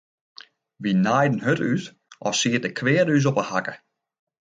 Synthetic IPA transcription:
ʋinajdən̩ɦøtyt | ʔɔsiət̚dəkʰʋɪːəɾys̬ɔpəhakə

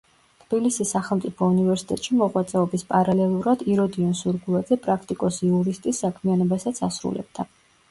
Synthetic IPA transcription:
t̪ʰb̥ilisisːaχɛlˠmt̪sʼipʰɔunivɛɾsi̥t̪ʼɛ̰t̪ʼʃimɔʁwat̪sʼɛɔbispʼaɾalɛlˠuɾad̪iɾɔd̪iɔnsuɾɡulˠad̪zɛpʼɾakʰt̪ʼikʼɔsiuɾist̪ʼisːakʰmianɔbasat̪sʰasɾṵlɛ̰b̥̚d̪a

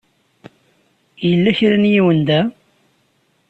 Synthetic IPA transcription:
jəlːæçɾænjiwənd̪æ

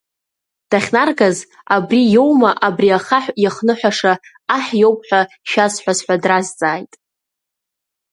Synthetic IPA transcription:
d̥aχʲnarɡaz | abrijo̞wmaʔabriaχaħjaχnɨħʷᶣaʂa | aħjo̞wpʼħʷᶣa | ʃᶣazħʷᶣazħʷᶣadrazt͡sʼaːjtʼ

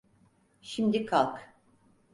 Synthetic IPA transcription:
ʃimd̪ikʰalˠk

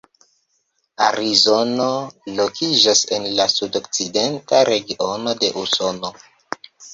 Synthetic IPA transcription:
a̰ɾizo̞no̞lo̞kʰid͡ʒase̞nlasudok̚t͡side̞ntaɾe̞ɡiʔono̞de̞̰ʔuso̞no̞

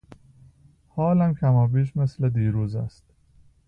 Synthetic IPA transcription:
hɒːlæmcʰæmɒːbiːʃme̞sled̪iːɾuːzæ̰st̪

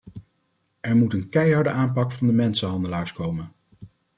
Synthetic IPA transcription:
ɛɹmutənkɛjɦɑɹdəʔaːmpɑkfɑndəmɛnsəɦɑndəlaːɹskowmən

